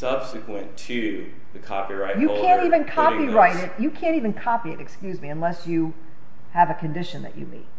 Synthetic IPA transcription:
sʌb̥sɨkʰwə̃ntʰɨ | ðɨkʰɑ̰piɹaɪtjɨkʰæ̃ntivɨ̃nkʰɑpiɹaɪɾɪt̚jɨkʰæ̃ntivɨ̃nkʰɑpiɨ̰ɾɨkskjʉzmiɨ̃nlɛsjɨ | əvɨkʰɨ̃ndɪʃɨ̃nðɨ̰t͡ʃɨ̰bḭt̚

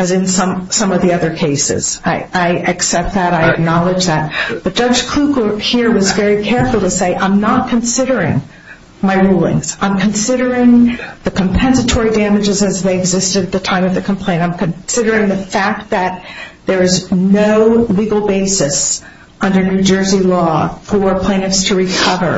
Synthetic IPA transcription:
ɨzɨ̃nsʌ̃msʌ̃mʌvðiʌðə˞kʰeɪsɪ̰z̥aɪaɪʔɨksɛp̚t̪̚ðɨɾaɪɨk̚nɑlˠəd͡ʒðɨt̚b̥ʌt̚d̥ʌd͡ʒkʰl̥ukəhiɹwʌzvɛɹikʰɛɹfl̩ˠtɨseɪʔãɪ̃mnət̚kʰɨ̃nsɪɾə˞ɪ̰̃ŋ | maɪɹulˠɪ̰̃ŋz̥ãɪ̃mkʰɨ̃nsɪɾə˞ɪ̃ŋðɨkʰm̩pʰɛ̃nsɨtʰɔɹidæmɨd͡ʒɨzɨzðeɪɨɡzɪstɨɾɨt̪̚ðɨtʰãɪ̃mʌvðɨkʰm̩pʰl̥ẽɪ̃ntãɪ̃mkʰɨ̃nsɪɾə˞ɪ̃ŋðɨfæk̚t̪̚ðɨt̪̚ðə˞ɨznoʊliɡl̩ˠbeɪsɨs | ʌ̃ndə˞nʉd͡ʒɜ˞zilɔfə˞pʰl̥ẽɪ̃ñɨfstʰɨɹɨkʰʌvə̰˞

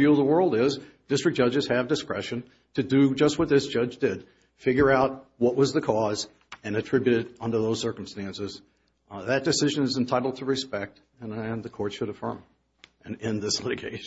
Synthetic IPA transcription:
uðəwɜ˞lˠdɪzd̥ɪstɹ̥ɨk̚d̥ʌd͡ʒɨz̥ɨvdɨskɹ̥ɛ̰ʃɨ̃n | tʰɨdɨd͡ʒʌst̚wʌt̪̚ðɪsd̥ʒ̥ʌd͡ʒdɪd̥ | fɪɡjə˞aʊt̚wʌʔ̚wʌzðɨkʰɔz | ɨ̃nɨtʰɹ̥ɪbjʉɾɨɾʌ̃ndə˞ðoʊz̥sɜ˞km̩stæ̃nsɨz̥ | ðɨt̚d̥ɨsɪʒɨ̃nɨzɨ̃n̩tʰaɪɾl̩ˠd̚tʰəɹɨspɛk̚t | ɨ̃nɨ̃nðɨkʰɔɹtʃɨɾɨfɜ̰̃˞m | ɨ̃nɪ̃nðɪslɪɾɨɡeɪʃ

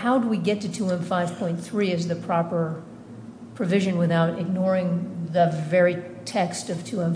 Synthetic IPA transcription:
haʊdəwiɡɛtʰɨtʰuɛ̃ɱfaɪv̥pʰɔ̃ɪ̃nθɹiɨzðɨpʰɹ̥ɑpə˞ | pʰɹ̥ɨvɪʒɨ̃nwɨθaʊɾɨɡ̚nɔɹɪ̃ŋðɨvɛɹitʰɛkstʌv̥tʰʉɛ̃m

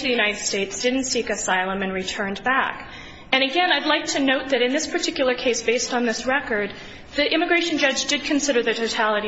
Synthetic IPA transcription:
ðɨjʉñaɪɾɨd̥steɪtsd̥ɪdⁿn̩tsikɨsaɪlˠə̃mɨ̃nɹitʰɜ̃˞nbæk | ɨ̃ñɨɡɛ̃naɪdˡlaɪk̚tʰɨnoʊt̪̚ðɨɾɨ̃nðɪspʰə˞tʰɪkjl̩ˠə˞kʰeɪsb̥eɪstn̩ðɪsɹɛkə˞d̪̚ | ðiʔɪ̃mɨɡɹeɪʃɨ̃nd͡ʒʌd͡ʒdɨd̚kʰɨ̃n̩sɪɾə˞ðɨtʰoʊtʰælˠəɾi

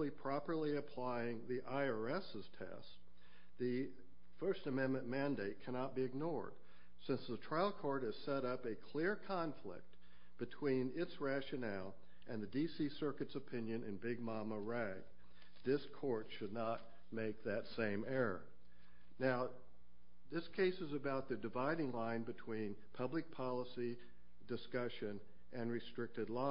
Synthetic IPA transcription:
lipʰɹ̥ɑpə˞lˠiɨpʰl̥aɪɪ̃ŋðiʔaɪə˞ɛsɨz̥tʰɛ̰s | ðɨ | fɜ˞stɨmɛ̃nmɨ̃nmæ̃ndeɪt̚kʰæñɑt̚b̥iɨɡ̚nɔɹd̥ | sɪ̃nsðətʰɹ̥aɪlˠkʰɔɹɾɨz̥sɛɾʌpɨkʰl̥ɪɹkʰɑ̃ɱflɪ̰k̚t̚ | b̥ɨtʰw̥ĩnɪtsɹæʃɨnælˠ | ʔɨ̃nðɨdisisɜ˞kɨtsɨpʰɪ̃njɨ̃nɨ̰̃nbɪɡ̚mɑməɹæɡ̚ | ðɪskʰɔɹtʃɨdⁿnət̚ | meɪk̚ðɨtsẽɪ̃mɛɹə̰˞ | naʊ | ðɪskʰeɪsɨzɨbaʊt̪̚ðɨdɨvaɪɾɪ̃ŋlãɪ̃nbɨtʰw̥ĩn | pʰʌblɨk̚pʰɑlˠəsi | dɨskʌʃɨ̃n | ʔɨ̃nɹɨstɹ̥ɪk̚tɨdˡla

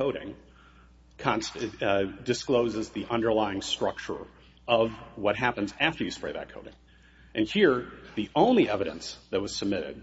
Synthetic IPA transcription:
koʊɾɪ̰̃ŋ | kʰɑ̃ns | dɨskloʊzɨzðiʔʌ̃ndə˞laɪɪ̃ŋstɹ̥ʌk̚t͡ʃə̰˞ | ʌvwʌt̚ɦæpɨ̃nzæftə˞jɨspɹeɪðɨ̰t̚kʰoʊɾɪ̰̃ŋ | ʔɨ̃nhiɹðiʔõʊ̃nliʔɛvɨɾɨ̰̃nsðɨt̚wʌz̥səb̚mɪɾɪ̰d̥̚

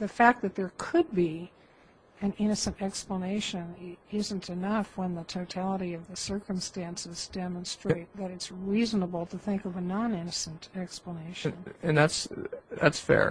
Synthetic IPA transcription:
ðɨfæk̚ðɨt̪̚ðə˞kʰɨd̚bi | ɨ̃nɪ̃ñɨsɨ̃ntɛkspləneɪʃɨ̃nɪz̃n̩tʰɨnʌfwə̃nðɨtʰoʊtʰælˠəɾiʌvðɨsɜ˞kə̃mstæ̃nsɨzdɛmə̃n̩stɹ̥eɨɪt̪̚ðɨɾɨtsɹiznəbl̩ˠtʰɨθɪ̃ŋkʌvɨnɑ̃nɪ̃nɨsə̃ntʰɛkspləneɪʃɨ̃nn̩ɨ̃nðætsðæ̰tsfɛ̰ɹ

